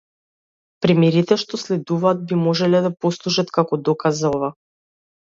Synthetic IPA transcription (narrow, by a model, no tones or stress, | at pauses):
pɾɛmɛɾit̪ɛʃt̪ɔslɛd̪uvaːd̪̚bimɔʒɛlɛd̪apɔslˠuʒat̪kakɔd̪ɔkazaɔva